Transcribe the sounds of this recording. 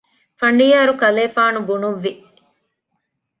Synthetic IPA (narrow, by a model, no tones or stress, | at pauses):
fɐɳɖijaːɾukɐleːfaːnubunuʋːi